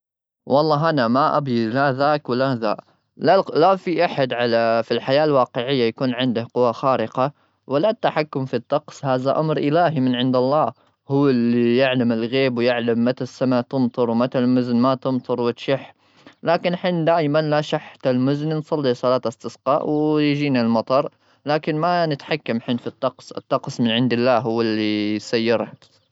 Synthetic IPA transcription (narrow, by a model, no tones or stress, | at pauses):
wɑlˤːɑːɦʔanamaʔa̰bjɪlaðaːkwɪlaða̰ːʔ | lalafiʔaħad̪ʕalafilħajaːlwɑːqɪʕɪjːajakuːnʕɪnd̪ahqʊwːaxaːɾɪqa | walːat̪ːaħakːʊmfit̪ːɑqshaːðaʔamɾʔɪlaːɦimɪnʕɪnd̪ɑlˤːɑː | hʊwːɪlːijɪʕlamɪlɣeːbwjɪʕlamːat̪asːamat̪ɨmt̪ˤɨɾˤwmat̪almʊznmat̪ɨmt̪ˤɨɾˤwɪt̪ʃɪħ | laːkɪnħɪnd̪aːjmanlaʃaħt̪almʊznnsˤɑlːisˤɑlɑːt̪ast̪ɪsqɑ̰ːʔwɪjd͡ʒiːnalmɑt̪ˤɑɾˤ | laːkɪnmanɪt̪ħakːamħɪnfit̪ːɑqsɪ̰t̪ːɑqsmɪnʕɪnd̪ɪlːaːɦʊwːɪlːisajːɪɾt̪